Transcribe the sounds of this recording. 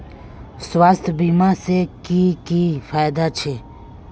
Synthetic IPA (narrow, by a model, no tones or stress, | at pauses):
swaːst̪ʰbiːmaːsekiːkiːfʰaːjd̪at͡ʃʰeː